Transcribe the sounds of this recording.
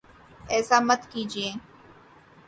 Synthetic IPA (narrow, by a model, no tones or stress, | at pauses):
ɛːsaːmət̪kiːd͡ʒiẽː